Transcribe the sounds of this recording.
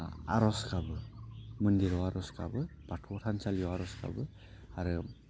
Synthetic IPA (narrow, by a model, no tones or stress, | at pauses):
a̰ɾɔskabɯmɯndiɾɔwaɾɔskʰa̰bɯb̥atʰɔtʰansaljɔwaɾɔskʰa̰bɯ | aɾɯ